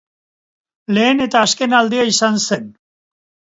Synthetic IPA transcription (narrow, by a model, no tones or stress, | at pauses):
le̞ːne̞t̪aːske̞nald̪eaisanse̞n